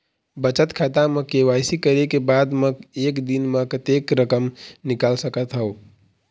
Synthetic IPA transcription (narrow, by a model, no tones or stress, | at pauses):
bət͡ʃət̪kʰat̪amẽkewajsikəɾekebad̪meekd̪inmẽkət̪ekɾəkəmnikalsəkət̪ɦəo